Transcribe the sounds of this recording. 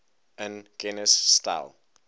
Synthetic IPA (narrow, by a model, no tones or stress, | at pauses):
ə̃nɡ̥ɛnəsːta̰ɪl